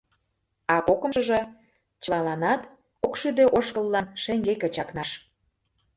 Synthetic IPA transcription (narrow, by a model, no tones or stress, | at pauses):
ɑkokə̆mʃə̆ʒĕ | t͡ɕəlɑlɑnɑt̪ | okʃyd̪ø̆ʔoʃkəlːɑnʃeŋɡekə̆t͡ɕɑknɑʃ